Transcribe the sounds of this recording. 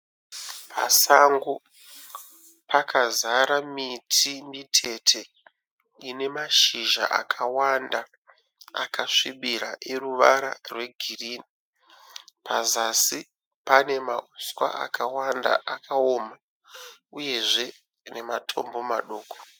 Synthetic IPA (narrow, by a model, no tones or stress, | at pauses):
pʰa̰saŋɡo | pakʰazaɾamitʰimitʰe̞tʰe̞ | ine̞maʃiʒa̰ʔa̰kʰawanda | a̰kaʂiɓiɾaʔe̞ruʋaɾa̰rwe̞ɡʱiriːni | pazasi | pane̞mauskwa̰ʔa̰kʰawanda̰ʔakʰaoma | uje̞ʐe̞ | ne̞matʰo̞mbo̞maɗoːko̥